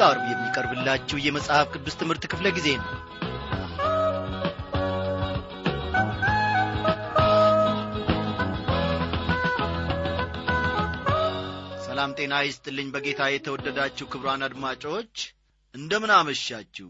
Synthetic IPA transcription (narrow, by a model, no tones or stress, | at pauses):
aɾβjɛmːikʼəɾbɨlːat͡ʃːɛwjɛməsʼhafkʰʼɨd̪ːɨst̪ʰɨmhɨɾt̪kʰɨfləɡize̞nəw | səlamt̪ʼe̞najɪst̪ʼɨlːɨɲːbəɡe̞t̪ʰajɛt̪ʰəwɔd̪ːəd̪at͡ʃːɛwkʰɨβɾanad̪mat͡ʃʼot͡ʃː | ʔɨnd̪əmɨnaməʃat͡ʃːɛ